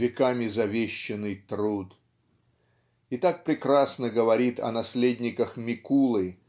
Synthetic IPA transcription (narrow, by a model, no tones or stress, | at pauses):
vʲɪkamʲɪzɐvʲeɕːɪnːɨjt̪ɾut̪ | ɪt̪ak̚pɾʲɪkɾasnəɡəvɐɾʲit̪ɐ̰nɐsʲlʲedʲnʲɪkəxmʲɪkulˠɨ